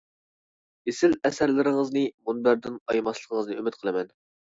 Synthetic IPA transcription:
esɪlɛsæɾlɪɾɪŋəznɨmunbæɾd̪ɪnɑjmɑslˠəqʰəŋəznɨymɪt̪̚qʰəlˠɨmɛn

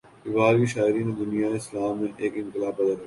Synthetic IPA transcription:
ɪʋaːɾkiʃaːɪɾĩnẽd̪ʊnijaeɪslaːmːẽʔeːkɪ̃nkɪlaːpɐd̪əlɐ

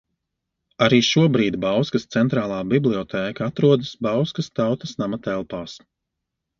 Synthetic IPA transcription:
aɾiːʃuɔbɾiːd̪bawskɐst̪sɛnt̪ɾaːlˠaːbiblʲˠiɔt̪ʰɛːkat̪ɾuɔd̪ɐsbawskast̪awt̪ɐsnamat̪ɛlˠpaːs

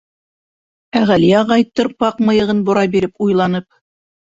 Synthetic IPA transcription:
æʁælijæʁɑjt̪ːɤɾpɑqmɤ̆jɤ̆ʁɤnbŏɾɑbiɾɘpujlˠɑnɤp̚

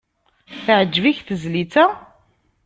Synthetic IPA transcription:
θəʕəd͡ʒːviçθəzlit͡sæ

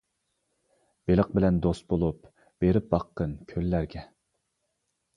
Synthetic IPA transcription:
b̥elˠəq̚bɪlɛnd̪ost̪̚bolˠup | b̥eɾɪp̚bɑqʰːənkʲʰølːæɾɡʲɛ

